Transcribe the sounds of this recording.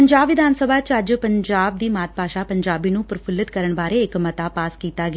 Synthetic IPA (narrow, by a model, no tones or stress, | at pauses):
əɲd͡ʒaːbʋɪd̪ʱaːnsəbʱaːt͡ʃəd͡ʒpəɲd͡ʒaːb̚d̪iːmaːt̪̚paːʃaːpəɲd͡ʒaːbiːnũːpɾəpʰʊlət̪kəɾəɳbaːɾeːɪkmət̪aːpaːskiːt̪aːɡ